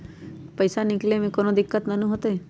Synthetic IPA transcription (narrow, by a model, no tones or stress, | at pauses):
pɐɪsanɪklemẽkoːnod̪ɪkːət̪nɐnũɦoːt̪eɦɛː